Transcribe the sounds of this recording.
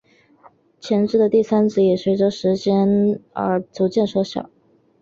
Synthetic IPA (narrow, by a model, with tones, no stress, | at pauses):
t͡ɕʰjɛ˧˥nʈ͡ʂɻ̩˥˩d̪ə˨t̪i˥˩sa˥nt͡sɹ̩˧˥˩jɛ˨˩swe˧˥ɪʈ͡ʂə˧˥ʂɻ̩˧˥t͡ɕjɛ˥nə̰˞˧˥t͡su˧˥t͡ɕjɛ˥˩nʂwɔ˧˥ɕjɑ̰˨˩˦